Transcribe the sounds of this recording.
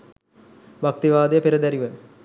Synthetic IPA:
bak̚t̪iʋaːd̪ejəpeɾəd̪æɾiʋə

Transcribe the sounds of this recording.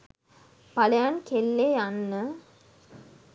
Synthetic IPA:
palɐjankelːeːanːə

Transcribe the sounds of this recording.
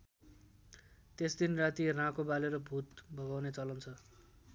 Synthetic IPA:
t̪esd̪inrat̪irãkobaleɾʌbʱut̪bʱʌɡawnet͡sʌlʌnt͡sʰʌ

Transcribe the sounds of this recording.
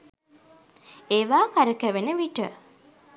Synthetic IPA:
eːʋaːkaɾəkæʋenəʋiʈə

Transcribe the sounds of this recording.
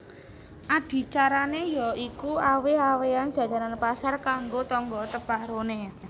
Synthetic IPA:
ʔad̪̥i̤t͡ʃaɾanejɔikuaweawean̥d͡ʒ̥a̤d͡ʒaɾanpasarkaŋɡot̪ɔŋɡɔt̪əb̥ahɾone

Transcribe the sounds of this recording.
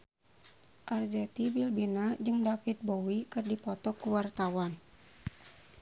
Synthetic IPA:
ʔard͡ʒɛt̪ibilbinad͡ʒɨŋdafit̪̚bowikɨrdipɔt̪ɔkuwart̪awan

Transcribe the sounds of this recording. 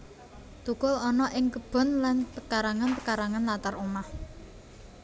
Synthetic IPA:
t̪ukʊlɔnɔʔɪŋkəb̥ɔ̤nlant̪əkaɾaŋant̪əkaɾaŋanlat̪aɾomah

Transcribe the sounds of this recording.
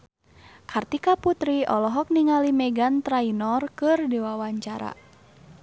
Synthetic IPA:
kʰart̪ikaput̪ɾiɔlɔɦɔk̚niŋalimɛɡant̪ɾainɔrkɨrdiwawaɲt͡ʃaɾa̰

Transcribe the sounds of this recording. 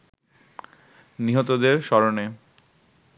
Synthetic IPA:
niɦot̪od̪eɾʃɔɾone

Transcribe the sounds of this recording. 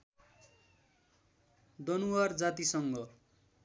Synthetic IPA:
d̪ʌnuward͡zat̪isʌŋɡʌ

